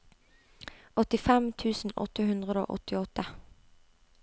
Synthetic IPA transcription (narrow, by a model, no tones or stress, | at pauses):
ɔt̪ɪfɛmt̪ʰʉːsn̩ɔ̰t̪əhʉnd̪ʁəd̪o̰ːʔɔ̰t̪ɪɔt̪ə